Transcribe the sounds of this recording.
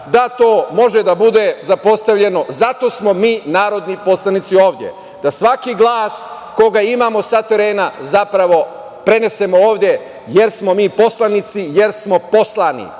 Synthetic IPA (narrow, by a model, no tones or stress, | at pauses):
d̪at̪o̞ːmo̞ʒed̪abud̪e̞zapo̞st̪aʋʎe̞no̞zat̪o̞smo̞miːnaːɾo̞d̪nipo̞slˠanit̪sio̞ːʋd̪je̞̰ | d̪asʋakiɡlˠaːs | ko̞ɡaimaːmo̞sat̪e̞ɾe̞ːnazapɾaʋo̞ | pɾe̞ne̞se̞mo̞oːʋd̪je̞ | je̞ɾsmo̞miːpo̞slˠanit̪sije̞ɾsmo̞po̞slˠanḭ